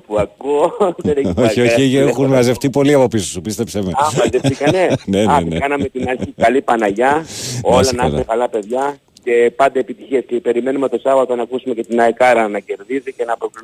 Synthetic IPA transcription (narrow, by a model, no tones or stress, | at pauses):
puɐkuoeɾeoioçiexunɐzeft̪ipo̞liɐpo̞pisosupist̪epsevmeɐzefikɐnenenɐnekɐnɐmet̪inɐɾiɐlipɐnɐʝɐo̞lɐnɐsekɐlɐpe̞ðʝɐ | ce̞pɐnd̪ɐːpit̪içiescepe̞ɾime̞nume̞t̪o̞sɐvɐt̪onɐkusumece̞t̪inɐekɐɾɐnɐce̞ɾðizice̞nɐpokl